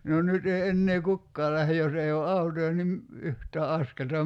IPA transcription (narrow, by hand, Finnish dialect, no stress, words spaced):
no nyt ei enːeː kukːɑː læhe jos ei o ɑutojɑ nim yhtˑæː ɑskeltɑ